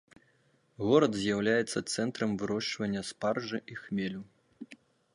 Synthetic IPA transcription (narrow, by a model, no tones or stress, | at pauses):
ɣɔɾɐd̪zʲjawlʲajɛt̪sːɐt̪sɛnt̪ɾɐmvɨɾɔʂt͡ʂvɐnʲːɐsparʐɨʔixmʲelʲu